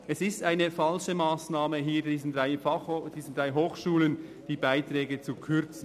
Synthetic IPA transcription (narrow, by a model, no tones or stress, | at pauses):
ʔɛsɪstaɪnəfalʃəmaːsnaːməɦiːdiːzn̩dʁaɪfad̥iːzn̩dʁaɪɦoːxʃuːlən | d̥iːbaɪtɾɛːɡət͡sukʰʏɾt͡sn̩